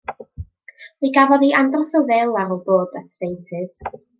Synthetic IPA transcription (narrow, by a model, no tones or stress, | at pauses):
miɡavɔðiʔandrɔsɔvɛlˠaɾɔlˠboːdatdejtʰɨð̥